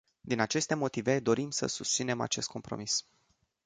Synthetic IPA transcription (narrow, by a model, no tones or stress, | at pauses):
d̪inat͡ʃe̞st̪e̞mo̞t̪ive̞d̪o̞ɾimsə̰sust̪sine̞ma̰t͡ʃe̞st̪ko̞mpɾo̞̰mis